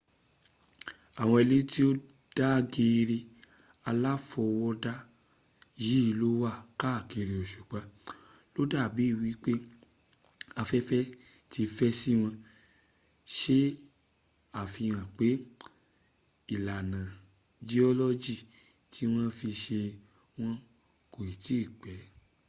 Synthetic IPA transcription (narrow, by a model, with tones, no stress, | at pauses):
a˨w̃ɔ̃˧e˧le˦ti˦o˦ | d̥a˦ɡe˧ɾe˧ | a˧la˦fɔ˧wɔ˦da˦ | ji˦i˦˧lo˦wa˦˨ka˦˨ke˧ɾi˧ɔ˨ʃu˨k͡pa˨˦ | lo˦da˦˨bi˨˦i˦˨wi˨˦k͡pe˦ | a˧fɛ˦fɛ˦ | ti˧fɛ˦si˦w̃ɔ̃˧ | ʃe˦ | a˨fi˧j̃ã˨k͡pe˨˦ | i˨la˨nã˨ | d͡ʒi˦ɔ˦lɔ˦d͡ʒi˦˨ | ti˨˦w̃ɔ̃˦fi˧ʃe˧ | w̃ɔ̃˦ | ko˨i˨ti˦˨k͡pɛ˨˦